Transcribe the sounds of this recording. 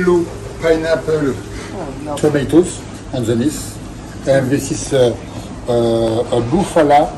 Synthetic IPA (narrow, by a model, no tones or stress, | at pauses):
lo | pajnapɔl | t̪ʰɔmet̪os | ɑ̃nzənis | ɛ̃vɛst̪is | bufala